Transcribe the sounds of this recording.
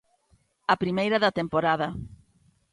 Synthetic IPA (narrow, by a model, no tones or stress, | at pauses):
ɐpɾimejɾɐðɐt̪empoɾaðɐ